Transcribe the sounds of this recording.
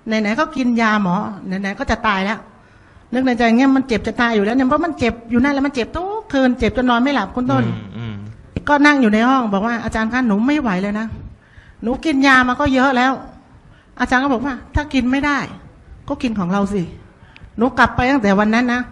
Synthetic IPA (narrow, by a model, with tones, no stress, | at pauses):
na˧˩jna˨˦jkɔː˥˩ki˧njaː˧mːɔː˨˦na˨˩jna˨˦jkɔː˥˩t͡ɕa˨˩t̪aː˧jlɛ˦˥ʔ | nɯ˦˥k̚na˧jt͡ɕaː˧ŋɛː˧˥˩ma˧nt͡ɕe˨˩p̚t͡ɕa˨˩t̪aː˧jːuː˨lɛː˦˥wna˧˥˨pʰɔ˦˧˥ma˧˥˨nt͡ɕe˨˩p̚juː˨˩naː˧˥˩lɛ˦˥˩ma˧nt͡ɕe˨˩p̚t̪ʰu˦˥kʰɯː˧nt͡ɕe˨˩p̚t͡ɕo˧nːɔː˧nma˥˩jla˨˩p̚kʰo˧˥˨nt̪o˧˥˩n | kɔː˥˩na˥˩ŋjuː˨˩na˧jhɔ˥˩ŋbɔː˨˩k̚waː˥˩ʔaː˧t͡ɕaː˧nkʰaː˧˥˩nːuː˨˦˥ma˥˩jwa˨˩˦jlɤː˧jna˦˥ | nuː˨˦˥ki˧njaː˧maː˧kɔː˥˩jɤ˦˥ʔlɛː˦˥˩w | ʔaː˧t͡ɕaː˧nkʰɔ˥˩bɔ˨˩k̚waː˥˩t̪ʰaː˥˩ki˧nma˥˩jdaː˥˩j | kɔː˥˩ki˧nkʰɔː˩˦ŋɾa˧wsi˧˩nuː˨˦kla˨˩pːa˧jt̪a˥˩t̪ɛː˨˩˦wa˧nːa˦˥nːa˦˥